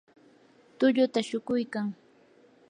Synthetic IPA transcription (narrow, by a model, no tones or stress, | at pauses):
t̪ʊʎʊt̪aʃʊkʊjkaŋ